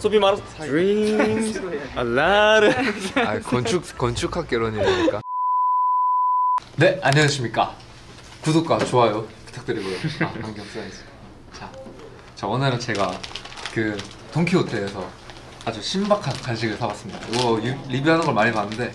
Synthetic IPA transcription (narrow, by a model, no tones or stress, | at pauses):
sʰobimaɾ | alaɾɯakʌnt͡ɕʰukʌnt͡ɕʰukʰak͈̚eɾʌɲimɲik͈a | ne̞aɲːʌd͡ʑɯɕʰimɲik͈a | kudok͈at͡ɕoajopɯ̥tʰḁk̚t͈ɯɾiɡooakaŋɡjʌŋs͈ɯaes͈ɯ̥ | t͡ɕa | t͡ɕaʌnɯɾɯnt͡ɕe̞ɡakɯ | toŋkʰiotʰeːsʰʌ | ad͡ʑuɕʰimbakʰankʰanɕʰiɡɯɭsʰabas͈ɯmɲida̰ɡʌjiɾibiɦanɯnɡʌɭmaɲipanːɯnde̞